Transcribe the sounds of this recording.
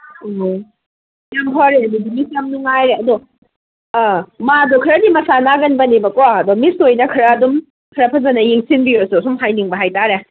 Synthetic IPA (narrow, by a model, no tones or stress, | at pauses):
o | jamɦɔɾeɐdidimisɐmnuŋajɾeɐdo | madokʰɐɾɐdimɐsanaɡɐnbɐnibɐkoaɐdomisojnɐkʰɐɾaːdum | kʰɐɾɐpʰɐzɐnɐjiŋsinbiosusumɦajniŋbɐɦajtaɾe